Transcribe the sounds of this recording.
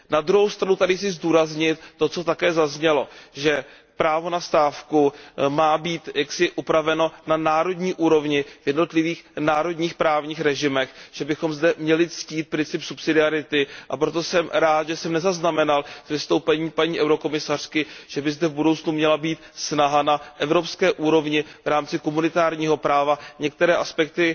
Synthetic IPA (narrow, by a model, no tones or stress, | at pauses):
nad̪ɾuɦowst̪ɾanut̪adɪsɪzduːɾazɲɪt̪ːo̞t͡so̞t̪akɛːzazɲɛlo̞ʒɛ | pɾaːvo̞nast̪aːfkumaːbiːt̪jaksɪʔupɾavɛno̞nanaːɾo̞dɲiːʔuːɾo̞vɲɪv̥jɛdno̞t̪lɪviːxnaːɾo̞dɲiːxpɾaːvɲiːxɾɛʒɪmɛxʒ̥ɛbɪxo̞mzdɛmɲɛlɪt͡sciːt̪̚pɾɪnt͡sɪpsupsɪdɪaɾɪt̪ɪʔapɾo̞t̪o̞sɛmɾaːt̪ʒɛsɛmnɛzaznamɛnalsvɪst̪o̞wpɛɲiːpaɲiːʔɛwɾo̞ko̞mɪsar̝̥kɪʒ̥ɛbɪzdɛvbudowt͡snumɲɛlabiːt̪snaɦanaʔɛvɾo̞pskɛːʔuːɾo̞vɲɪvɾaːmt͡sɪkomunɪt̪aːɾɲiːɦo̞pɾaːvaɲɛk̚t̪ɛɾɛːʔaspɛk̚t̪ɪ